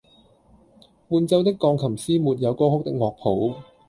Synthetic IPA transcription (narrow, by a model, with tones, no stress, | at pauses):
muː˧nt͡sɐ˧wt̪ɪ˥kːɔː˧ŋkʰɐ˨˩msiː˥muː˨t̚jɐ˨˧wkɔː˥hʊ˥k̚t̪ɪ˥k̚ŋwɔː˨˧k̚pʰo˨˥w